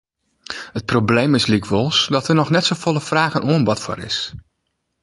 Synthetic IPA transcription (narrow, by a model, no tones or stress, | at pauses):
hət̚problejmɪslikʋolˠsdɔtərnɔχnɛtsovolˠəfraːɣənʔuənʋɔtfɔ̰rɪ̰s